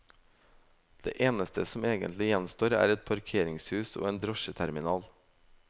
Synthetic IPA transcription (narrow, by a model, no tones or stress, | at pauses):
d̪̥ḛːʔeːnəst̪ʰəsɔmeːɡə̰nt̪lɪjɛnst̪oːɾæ̰ːɾɛt̪̚pʰɑɾkʰeːɾɪŋshʉːso̰ːeːnd̪ɾɔʃət̪ʰæɾmɪnɑːl